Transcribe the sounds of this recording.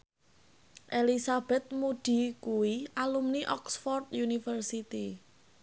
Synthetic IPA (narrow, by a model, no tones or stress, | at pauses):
ʔelisab̥ɛ̤t̪̚mud̪̥i̤kuwiʔalumniʔɔksfɔrt̪junifərsit̪i